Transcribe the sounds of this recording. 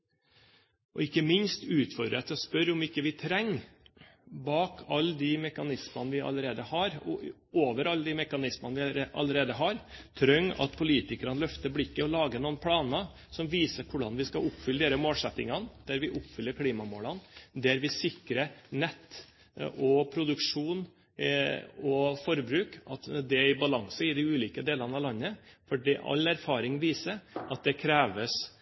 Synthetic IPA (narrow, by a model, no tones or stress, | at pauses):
ʔɔ̰ɪkːəmɪnst̪ʉːt̪fɔɾd̪ɾət̪ʰɔspœɾɔmɪkːəʋɪt̪ʰɾɛŋː | bɑːkʰɑlːd̪ɪmɛkɑnɪsmɑnəʋɪɑ̰ləɾeːd̪əhɑɾɔoːʋəɾɑlːəd̪ɪmɛkɑnɪsmɑnəʋɪʔɑ̰ləɾeːd̪əɦɑɾt̪ʰɾœŋːɑ̰t̪̚pʰʊliːt̪ɪkɾɑnəlœft̪əblɪkːəɔlɑːɡənuːənpʰlɑːnə | sɔmʋiːsəɾkʰʊɖɑnʋɪskɑʔʊpːfʏləd̪eːɾəmoːlsɛt̪ːɪŋɑnd̪̥æɾʋɪʔʊpːfʏlːəɾkʰliːmɑmoːlɑnd̪æɾʋɪsɪkɾənɛt̪ː | ɔpʰɾʊd̪ʉkʂuːn | ɔfɔɾbɾʉːkʔɑt̪d̪ɛɪbɑlɑŋsəɪd̪ɪʉːliːkəd̪eːlɑnɑʋlɑnːəfɔɖḭːʔɑ̰læɾfɑːɾɪŋʋiːsəɾɑt̪̚d̪ɛkʰɾeːʋəs